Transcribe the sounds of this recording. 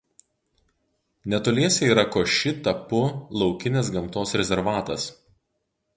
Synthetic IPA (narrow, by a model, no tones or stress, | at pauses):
nʲɛt̪oːlʲiɛsʲɛiːɾɐkoːʃʲɪt̪ɐpʊlˠɒʊkʲɪnʲes̬ɡɐmt̪oːsɾʲɛzʲɛɾʋɑːt̪ɐs